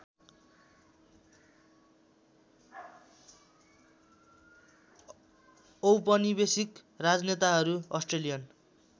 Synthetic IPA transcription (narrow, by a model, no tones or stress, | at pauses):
owpʌnibesik | rad͡znet̪aɦʌɾuʌsʈrelijʌn